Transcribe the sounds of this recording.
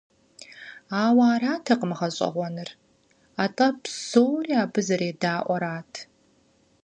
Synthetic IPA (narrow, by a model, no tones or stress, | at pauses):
aːwaːraːtʰɐqəmɨχɐɕʼɐ̰ʁʷɔnɨr | aːtʼɐpsoːwriaːbɨzɐɾeːdaːʔʷɔɾaːtʰ